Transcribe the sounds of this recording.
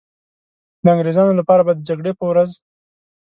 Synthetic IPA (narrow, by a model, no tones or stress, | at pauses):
d̪əaŋɡɾezɑnolapɑɾabaɑjd̪ːəd͡ʒaɡɽepəwɾaz